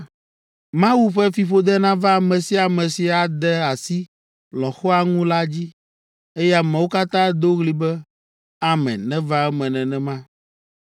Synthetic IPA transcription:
mã˦wu˦ɸɛ˦fi˨ɸo˦d̪ɛ˦nã˦va˦˨mɛ̃˨si˦a˨mɛ̃˨si˨a˨d̪ɛ˦a˨si˦ | lɔ̃˨xɔ˦a˨ŋũ˦la˦d͡ʑi˦ | e˦jɛ˦a˨mɛ̃˨wo˦ka˦t̪ã˦d̪o˦ɣli˨bɛ˦ | a˨mɛ̰̃˨nɛ̃˦va˦ɛ˦mɛ̃˨nɛ̃˨nɛ̃˨mã˦

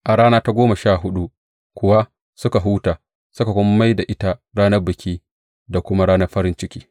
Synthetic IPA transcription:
ʔa˨ɽaː˦naː˦ta˦ɡʷoː˦ma˨ʃaː˦˨ɦʊ˦ɗu˦ | kʷʊ˨wa˦ | sʊ˦ka˨ɦuː˦taː˨ | sʊ˦ka˨kʷɔ˦m˦ma˦jda˨ʔɪ˦ta˦ɽaː˦nɐ˦rbʊ˨kʲiː˦ | da˨kʷʊ˦ma˦ɽaː˦nɐ˦ɸɐ˦ɾɪ˦nt͡ʃɪ˦kʲiː˦

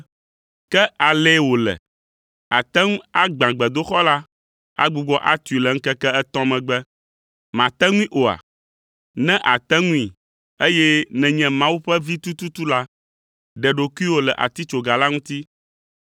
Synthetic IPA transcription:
kɛ˦a˨lɛ˦wo˨lɛ̰˨ | a̰˨t̪ɛ˦ŋũ˦a˦ɡ͡bã˨ɡ͡bɛ˨d̪o˦xɔ˦la˦ | a̰˦ɡ͡bu˨ɡ͡bɔ˦ʔa˦t̪u˨i˨lɛ˨ŋ̩˦kɛ˦kɛ˦t̪ɔ̃˦mɛ̃˨ɡ͡bɛ˦ | mã˨t̪ɛ˦ŋũ˦ĩ˦ʔo˨a̰˨ | nɛ̃˦ʔa˨t̪ɛ˦ŋũ˦ĩ˨ | e˦jɛ˦nɛ̃˨ɲɛ̃˨mã˦wu˦ɸɛ˦vi˦t̪u˦t̪u˦t̪u˦la˦ | ɖɛ˨ɖo˨ku˦i˦wo˨lɛ˨ʔa̰˨t̪i˦t͡ʃo˨ɡa˨la˦ŋũ˦t̪i˦

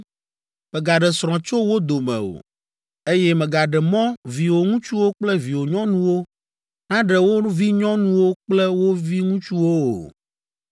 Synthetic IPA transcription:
mɛ˨ɡa˨ɖɛ˨sɾ̃ɔ̃˨t͡ʃo˦wo˦d̪o˨mɛ̰̃˨o̰˨ | e˦jɛ˦mɛ̃˨ɡa˨ɖɛ˨mɔ̃˦vi˨wo˨ŋũ˦t͡ʃu˦wo˦k͡plɛ˦vi˨wo˨ɲɔ̃˦nũ˦wo˦ | nã˦ɖɛ˨wo˦vi˦ɲɔ̃˦nũ˦wo˦k͡plɛ˦wo˦vi˦ŋũ˦t͡ʃu˦wo˦o̰˨

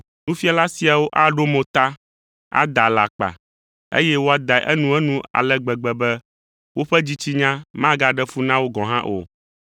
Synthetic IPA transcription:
nũ˦fi˦a˦la˦si˨a˨wo˦ʔa˦ɖo˦mõ˨t̪a˦ | a̰˦d̪a˨la˨k͡pa̰˨ | ḛ˦jɛ˦wo˦a˦d̪a˨ʔɛ˦nũ˦ɛ˦nũ˦a̰˨lɛ˦ɡ͡bɛ˨ɡ͡bɛ˨bɛ˦ | wo˦ɸɛ˦d͡ʑi˦t͡ɕi˦ɲã˦mã˦ɡa˦ɖɛ˦fu˦nã˦wo˦ɡɔ̃˨ɦã˦ʔo̰˨

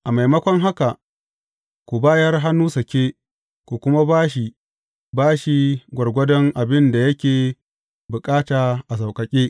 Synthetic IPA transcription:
ʔa˨ma˨jmɐ˦kʷɔ˦ŋɦa˦ka˨ | kʷu˨baː˦jɐ˦rɦa˦nːuː˦sɐ˨kʲeː˦ | kʷu˨kʷʊ˦ma˦baː˦ʃ̬i˨ | baː˦ʃi˨ɡʷɐ˨rɡʷɐ˦dɔ˦ŋʔa˨bɪ˦nda˨jɐ˦kʲeː˨ | bʊ˨kʼaː˦taː˨ʔa˨s̬a˨wkʼɐ˨kʲʼeː˦

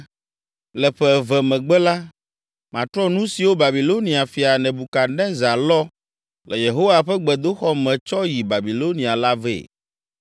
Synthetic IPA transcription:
lɛ˨ɸɛ˦˨vɛ˨mɛ̃˨ɡ͡bɛ˦la˦ | mã˨t̪ɾɔ˦nũ˦si˨wo˦ba˨bi˨lo˦nĩ˨a˨fi˨a˨nɛ̃˨bu˨ka˨nɛ̃˦za˨lɔ˦ | lɛ˨je˨ɦo˦wa˨ɸɛ˦ɡ͡bɛ˨d̪o˦xɔ˦mɛ̃˨t͡ʃɔ˦ji˨ba˨bi˨lo˦nĩ˨a˨la˦vɛ̰ː˦˨

